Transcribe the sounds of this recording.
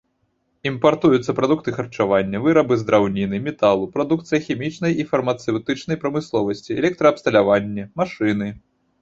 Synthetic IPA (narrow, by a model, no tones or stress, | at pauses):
impart̪ujut̪sːɐpɾad̪uk̚t̪ɨxɐrt͡ʂavanʲːɐvɨɾɐbɨzd̪ɾawnʲinɨmʲɛt̪alˠupɾad̪ukt̪sɨjɐxʲɛmʲit͡ʂnɐjifɐrmɐt̪sɛwt̪ɨt͡ʂn̪ɐjpɾɐmɨslˠɔvɐsʲt͡sʲiɛ̰lʲɛk̚t̪ɾɐɐpst̪ɐlʲavanʲːɛmaʂɨnɨ